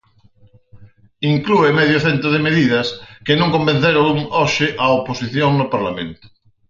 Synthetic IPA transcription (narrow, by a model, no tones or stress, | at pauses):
iŋkluemɛðjʊθent̪ɾʊð̞emeðið̞ɐskɪnõŋkombẽn̟θeɾouŋɔʃɪʔɐoposiθjoŋnʊpaɾlamḛ̃nt̪ʊ̥